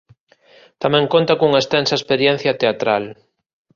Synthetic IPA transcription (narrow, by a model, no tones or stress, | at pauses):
t̪amɛ̃ŋkõnt̪akuŋaest̪ensɐespeɾjẽn̟θjɐt̪eat̪ɾal